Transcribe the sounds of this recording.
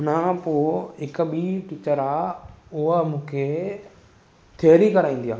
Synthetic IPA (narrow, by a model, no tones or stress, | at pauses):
ʊnãpoːɪkəɓiːʈɪt͡ɕəɾaːʊɦəmũːkʰe | t̪ʰeːɾikɐɾaːĩːnd̪jaː